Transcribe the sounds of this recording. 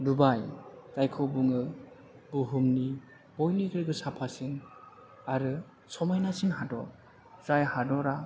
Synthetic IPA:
dubajkajkʰɔbuŋɯ | buɦumni | b̥ɔjniɡɯɾɡɯsapʰasiŋ | aɾɯ | sɔmajnasinɦadɔ | z̥ajhadɔɾa

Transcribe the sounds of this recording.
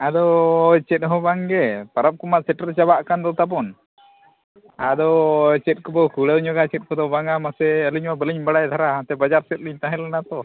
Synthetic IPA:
ad̪ɔjt͡ʃɛt̪̚ɦɔ̃baŋɡɛpaɾap̚kɔmaʔsɛʈəɾt͡ʃabaʔkand̪ɔt̪ap̬ɔn | ad̪ɔjt͡ʃɛt̪̚kɔbɔkʰuɽəwɲɔɡat͡ʃɛt̪̚kɔd̪ɔbaŋamasɛəliɲwabəliɲbaɽajd̪ʰʱaɾaat̪ɛbad͡ʒaɾsɛt̪̚liɲt̪aɦɛlɛnat̪ɔ

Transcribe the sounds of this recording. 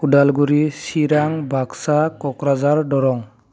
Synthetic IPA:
udalɡuɾisiɾaŋbʱaksakɔkɾazaɹɖɔɾɔŋ

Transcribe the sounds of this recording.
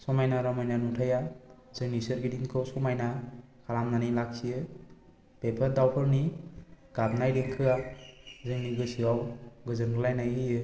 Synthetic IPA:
sɔmajnaɾamajnanutʰaja | zɯŋnisɯɾɡidiŋkʰɯsɔmajna | kʰaɾamnanilak̚siɯ | pepʰaɾdawpʰɯɾni | ɡ̥ab̚najdiŋkʰɯazɯŋniɡɯsiwawɡɯzɯnɡɯlajnajɯjɯ

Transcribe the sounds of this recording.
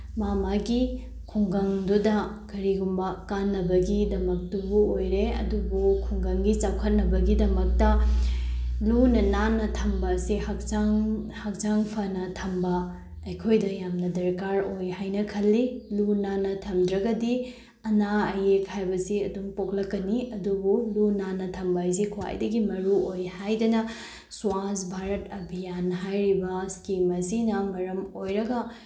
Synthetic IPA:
mamaɡi | kʰuŋɡɐŋdudɐkɐɾiɡumbɐkanːɐbɐɡidɐmɐk̚tubuojɾeɐ̰dubukʰuŋɡɐŋɡit͡ʃawkʰɐt̚nɐbɐɡidɐmɐk̚tɐ | lunɐnanːɐtʰɐmbɐːsihak̚aŋhak̚d͡ʒaŋpʰɐnɐtʰɐmbɐː | jkʰojdɐjamnɐdɐɾkaɾojhajnɐkʰɐlːilunanːɐtʰɐmdɾɐɡɐdi | ɐnaɐjekhajbɐsiɐdumpoklɐkːɐniɐdubulunanːɐtʰɐmbɐjs̬ikʰuwa̰jdɐɡimɐɾuojhajdɐnɐ | swasbʱaɾɐtɐbʱijanɦajɾibɐskimɐsinɐmɐɾɐmojɾɐɡɐ

